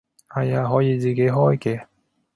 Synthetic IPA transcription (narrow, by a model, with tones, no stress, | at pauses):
hɐ˨jaː˧ɦɔː˨˥jiː˨˧t͡siː˨ke˨˥jɦɔː˥jkɛː˧